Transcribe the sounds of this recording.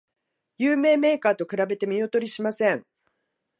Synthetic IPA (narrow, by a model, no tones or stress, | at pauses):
jɨːme̞ːme̞ːkaːt̪o̞kɯ̟ɾabe̞t̪e̞mʲio̞t̪o̞ɾʲiɕimasẽ̞ɴ